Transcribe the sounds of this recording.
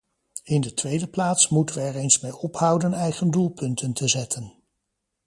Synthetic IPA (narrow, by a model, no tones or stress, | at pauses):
ɪndətʋejdəplaːtsmutənʋəɛɹejnsmejɔphʌwdənɛjχəndulˠpɵntəntəzɛtʰən